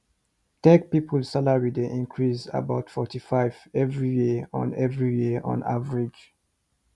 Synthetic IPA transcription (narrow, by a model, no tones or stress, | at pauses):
tɛk̚pipʰəlsalaɹideʔĩnkʰɹiza̰baʊtfɔtifaɪvɛvɹijiɔ̰̃nɛvɹijiʔɔ̰̃na̰vəɹid͡ʒ